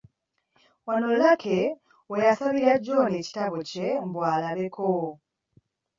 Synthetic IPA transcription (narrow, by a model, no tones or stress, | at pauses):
wano̞lakʰe | wejasaβiɾaɟo̞ne̞ːci̥taβoce̞m̩βwaːlaβe̞kʰo